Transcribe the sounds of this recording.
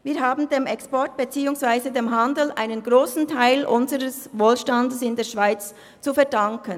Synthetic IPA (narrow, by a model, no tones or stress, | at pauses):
viːɦaːbn̩deːmɛkspɔɹt̚b̥et͡siːʊŋsv̥aɪzədeːmɦandl̩ʔa̰ɪnənɡʁoːsn̩tʰaɪlʔʊnzəʁəsvoːlʃtandəsɪndeːɐʃv̥aɪt͡s | t͡sufɛɐdɑŋkən